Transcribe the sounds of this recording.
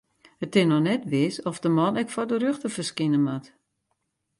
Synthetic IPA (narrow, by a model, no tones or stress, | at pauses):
hətɪnɔxnɛtʋɪsɔfdəmɔnɛkfɔrdərøxtəfərskɪnəmat